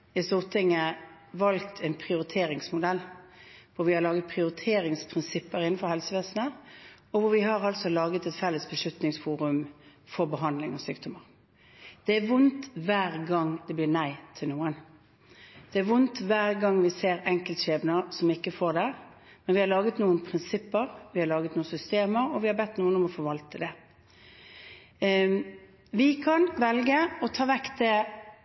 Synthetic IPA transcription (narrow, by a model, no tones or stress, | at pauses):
ɪst̪uːʁt̪ʰɪŋə | ʋɑlkt̪ʰæɪnpʰʁɪʊɾɪt̪ʰeːɾɪŋsmʊd̪ɛlːʋʊɾʋɪhɑɾlɑːɡət̪̚pʰʁɪʊɾɪt̪ʰeːɾɪŋspʰʁɪnsɪpːəɾɪnːn̩fɔɾhɛlsəʋeːsnə | ɔʋʊɾʋɪhɑɾʁɑlsɔlɑːɡət̪ɛt̪fɛlːəsbəʂʉt̪nɪŋsfuːɾʉmfɔʁbəɦɑnd̪lɪŋɑsyːkd̪ɔməʁ | d̪̥ɛæɾʋʊnt̪ʋæːʁɡɑŋd̪ɛblɪːʁnæɪt̪ʰɪlnuːən | d̪̥ɛæɾʋʊnt̪ʋæːʁɡɑŋːʋɪseːɾɛŋkəlt̪ʃeːbnəsɔmɪkːəfoːd̪æɾ | mɛnʋɪhɑɾlɑːɡət̪nuːənpʰɾɪnsɪpːəɾʋɪhɑɾlɑːɡət̪nuːən̩sʏst̪eːməɾɔʋɪhɑɾbɛt̪ːnuːənɔmɔfɔɾʋɑlt̪əd̪ɛ | ʋɪkʰɑnʋɛlɡəɔt̪ʰɑːʋɛktd̪ɛ